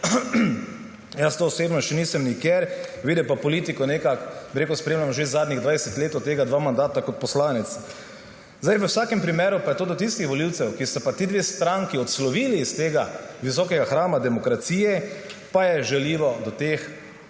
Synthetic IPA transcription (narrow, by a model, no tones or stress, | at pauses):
jast̪oːɔseːbnɔʃɛniːsɛmnikɛɾʋiːd̪ɛpapɔliːt̪ikɔnekakbiɾeːkʊspɾeːmlʲamʒezaːd̪nʲiɣd̪ʋajɛsɛt̪leːt̪ɔt̪ːeːɡad̪ʋaːmand̪aːt̪akɔt̪̚pɔslaːnɛt̪s | zd̪ajʋəwsaːkɛmpɾimeːɾupajɛt̪oːd̪ɔt̪ist̪ixʋɔliwt̪sɛwkist̪apat̪iːd̪ʋeːst̪ɾaŋkiɔt̪slɔʋiːliːst̪eːɡaʋis̬ɔːkɛɡaxɾaːmad̪ɛmɔkɾat̪siːjɛpajɛʒɛliːʋɔd̪ɔt̪eːx